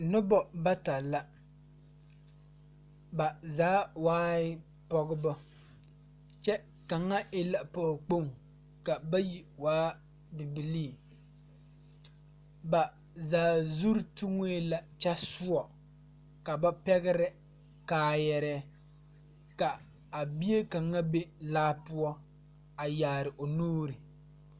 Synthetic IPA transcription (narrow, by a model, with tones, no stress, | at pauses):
nɨ˦bɔ˨ba˦ta˨lːa˦ | ba˨zaː˦waː˦ɪ˦ | pɔ˨ɡɨ˦bɔ˦ | t͡ʃɛ˦ | ka˨ŋːa˦ɪ˦la˨pɔ˨ɡk͡po˦ŋ | ka˨ba˦ji˨waː˦ | bɪ˨bi˨li˦˨ | ba˨ | zaː˨zu˦ɾtu˦ŋo˦e˦la˨t͡ʃa˦su˦ɔ˨ | ka˨ba˦pɛ˦ɣɪ˦ɾɪ˦ | kaː˨jɛ˨ɾɛ˦ | ka˨ | a˨bi˦e˦ka˨ŋːa˦be˦laː˦pu˦ɔ˦ | a˨jaː˨ɾɪ˨ʔo˨nuː˦ɾɨ˨